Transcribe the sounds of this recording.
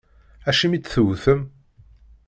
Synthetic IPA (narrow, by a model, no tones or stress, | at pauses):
æʃimit͡sːθəwθəm